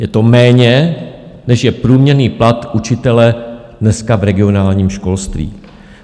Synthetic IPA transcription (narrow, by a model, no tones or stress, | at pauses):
jɛt̪o̞mɛːɲɛ | nɛʃjɛpɾuːmɲɛɾniːplat̪ʔut͡ʃɪt̪ɛlɛdnɛskavɾɛɡɪo̞naːlɲiːmʃko̞lst̪vḭː